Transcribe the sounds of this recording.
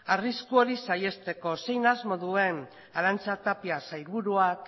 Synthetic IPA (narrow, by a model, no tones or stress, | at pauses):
ariskuo̞ɾisaje̞st̪e̞ko̞se̞jnazmo̞ðue̞n | aɾant͡sat̪apiasajɾβuɾuak